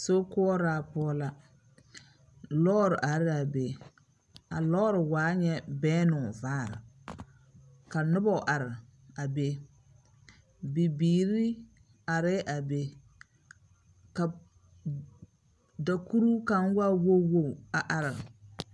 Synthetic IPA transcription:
so˦kʊ˦ɔ˦ɾaː˨pʊ˦ɔ˦la˦ | lɔː˦ɾɪ˨ʔa˨˦ɾɪ˦a˨be˨ | a̰˨lɔː˦ɾɪ˨waː˨˦ɲɛ˦bɛː˦nʊ˨vaː˦˨ɾɪ̰˨ | ka˨nʊ˦bɔ˦˨ʔa˨ɾɪ˨ | a˨be˦ | bi˨biː˨ɾi˦ | a˨ɾɪ˦ʔa˨be˦ | ka˨ | da˨ku˦ɾu˦ka˦n˦wa˦wo˦wo˦˨a˨ʔa˨ɾɪ˨

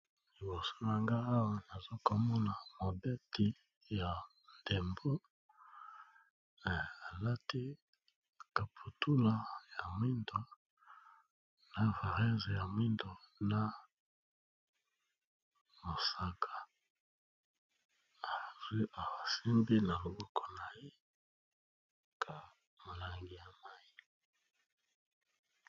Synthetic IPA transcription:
li˨bo˨so˦n˨a˨ŋɡa˦a˦wa˦na˨zo˦ko˨mɔ˦na˨mo˨be˦ti˨ | ja˨ | nde˨mbo˦˨ | a˨la˦ti˦ | ka˨pʰu˨tu˦la˨ja˨mwi˦ndo˦ | na˨va˨ʁɛ˦ze˨ja˨mwi˦ndo˨na˦ | mo˨sa˦kʰa˨ | a˨zwi˦ʔa˨wa˨si˦mbi˦na˨lo˨bɔ˦kɔ˨na˨je˦ | kʰa˨ | mo˨la˨ŋɡi˨ja˨ma˦i˨

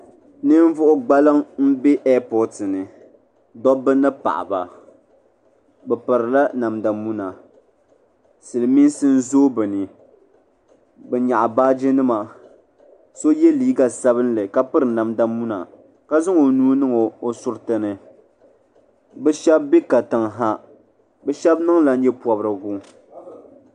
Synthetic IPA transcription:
nɨ˦ɱ˦vʊ˦ʔʊ˦ɡ͡ba˦lɨ˦ŋm̩˦be˦ʔɛ˦pɔ˦tɨ˨nɨ˨ | dɔ˦bɨ˦nɨ˦pa̰˨ʔa̰˨ba̰˨ | bɛ˨pɨ˨ɾɨ˨la˦na˨mda˨mu˦na˨ | sɨ˨lɨ˨mi˦nsɨ˦n̩˦zoː˦bɨ˨nɨ˨ | bɛ˨ɲa˨ʔa˨baː˦d͡ʒɪ˦nɨ˦ma˨ | so˦jɛ˦liː˦ɡa˨sa˦βɨ˦n˦lɨ˨ka˦pɨ˦ɾɨ˨na˨mda˦mːu˦na̰˨ | ka˦zɨ˦ŋo˨nuː˦nɨ˦ŋo˨o˦sʊ˦ɾtɨ˦nɨ˨ | bɛ˦ʃɛ˦bːi˦ka˨tɨ˨ŋɦa˦ | bɛ˦ʃɛ˦bnɨ˦ŋla˦n̩˦ɲɛ˦pɔ˨bɾɨ˨ɡu˦

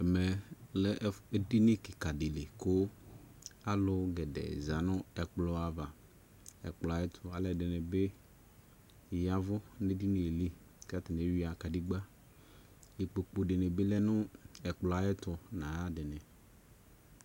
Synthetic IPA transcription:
ɛ˨mɛ˨lɛ˦ʔe˦di˦nɪ˦kɪ˨ka˨dɪ˨le˨kʊ˦ | a˦lʊ˦ɡɛ˨dɛ̰˨za˨nʊ̃˦ɛ˨k͡plʊ˦a˨va˨ | ɛ̰˨k͡plʊ˨a˨jɪ˦t̪ʰʊ˨a˨lɛ˦˨dɪ˨nɪ̃˨be˦˨ | ja˨vʊ˦ne˦di˦nɪ˨li˦ | ka˦t̪ɪ˨n˨˦ɥi˦a˨ka˨di˦ɡ͡ba˦ | li˨k͡po˨k͡po˨dɪ˨nɪ˨bɪ˦lɛ˦nʊ̃˦ɛ˨k͡plʊ˨a˨jɪ˦t̪ʊ˨nã˨a˦dɪ˨nɪ̃˨

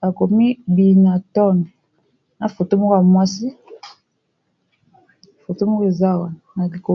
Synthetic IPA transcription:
a˨ko˨mi˦bi˨na˨tɔ˦˨nɔ˨ | na˨fo˨to˦mo˦ka˨mwa˦si˦˨ | fo˨to˦mo˦ke˨za˦˨wa˨na˨na˨li˨ko˨

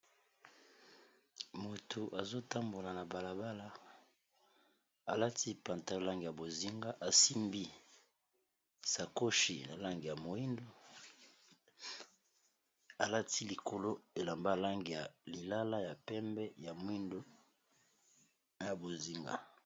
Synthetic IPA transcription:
mo˨tʰo˨ʔa˨zo˦ta˦mbo˨la˨na˨ba˨la˨ba˦la˦ | a˨la˦ti˦pa˨nta˦la˦ŋɡi˨ja˨bo˨zi˦ŋɡa˦ʔa˨si˦mbi˦ | sa˨ko˦ʃḭ˨na˨la˦ŋɡi˨ja˨mo˨i˦ndo˦ | a˨la˦ti˦li˨ko˨lo˦e˨la˨mba˦la˦ŋɡi˨ja˨li˨la˦la˦ja˨pɛ˦mbɛ˦ja˨mwi˦ndo˦ | ja˨bo˨zi˦ŋɡa̰˦

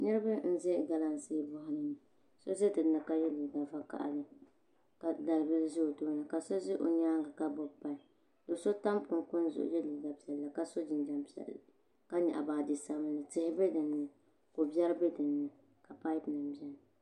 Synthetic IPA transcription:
nɨ˦ɾɨ˦bɨ˦n̩˦zɛ˦ɡa˦la˦n˨si˦bʊ˦hʊ˦nɨ˦nɨ˨ | so˦ze˦tɨ˨˦nɨ˨ka˦jɛ˦li˨ɡa˨va˦ka̰˦ʔa̰˨nɨ˨ | ka˨da˨lbɨ˦lzʊ˦˨toː˦nɨ˨ka˨so˦zɪ˦ʔo̰˨ɲaː˦ŋɡa˨ka˦bʊ˨pːa˦i˨ | do˨˦so˦ta˦mkʊ˨nkʊ˦n˦zʊ̰˨ʔʊ̰˦jɛ˦li˨ɡa˨pi˨ɛ˨lːa˨ka˦so˦d͡ʒɪ˨nd͡ʒa˨mpi˨ɛ̰˨l | ka˦ɲa̰˨ʔa̰˨baː˨dɪ˨sa˦mɨ˦nɨ˨tɪ˦hɪ˦bɛ˦dɨ˨nːɨ˦ | ko˨bjɛ˦ɾɨ˦bɛ˦dɨ˨nːɨ˨ | ka˨pa˦pnɨ˨mbi˦ɛ˦nɨ˨

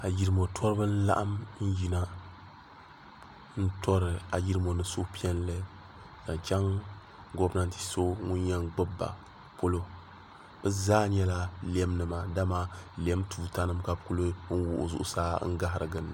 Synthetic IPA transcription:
a˨ji˦ɾɨ˦mo˨tʰɔ˦ɾɨ˦bɨ˦n̩˦la̰˦ʔa̰˦mn̩˦ji˨na˦ | n̩˦tɔ˦ɾɨ˨a˨ji˦ɾɨ˦mo˨nɨ˨so˦pi˦ɛ˦nlɨ˦ | ka˨n˨t͡ʃa˦ŋ | ɡɔ˦bna˦˨n˨ti̥˨so˦ŋʊ˦nɲɛ˦ŋɡ͡bɨ˦bːa̰˨ | po˦lo˦ | bɛ˦zaː˦ɲɛ˦la˦lɛ˦m˦nɨ˨ma˨da˦ma˨lɛ˦mtʰuː˨ta˦nɨ˦mka˨bku˦lɨ˦n̩˦wʊ˨ʔʊ̰˨zʊ̰˨ʔʊ̰˦saː˦ŋ̩˦ɡa˦ɦɾɨ˨ɡɨ˨n˨

